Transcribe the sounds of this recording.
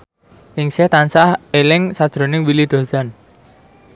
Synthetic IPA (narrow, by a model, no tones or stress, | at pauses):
ʔɪŋsɛht̪ansahelɪŋsad̥ʒ̥ɾo̤nɪŋwilid̪̥o̤san